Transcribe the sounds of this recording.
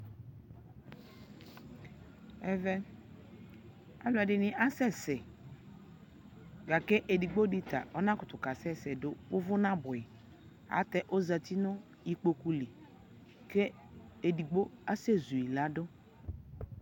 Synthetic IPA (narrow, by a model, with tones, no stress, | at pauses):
ɛ˦vɛ˦ | a̰˨la˨dɪ˨nɪ˨ʔa˦sɛ˦sɛ˨ | ɡa˨ke˦ʔe˨di˨ɡ͡bo˦di˦ta̰˨ɔ˦nã˦kʊ˨tʊ˨ka˨sɛ˦sɛ˨dʊ˦ʊ˦vʊ˦nã˦bʊ˨ɪ˨ | a̰˨˦tɛ˦ʔo˦za˨ti˦nʊ˦ | i˨k͡po˨ku˦li˨ | ke˦ | e˨di˨ɡ͡bo˦a˦sɛ˦˨zu˨i˨la˦dʊ˦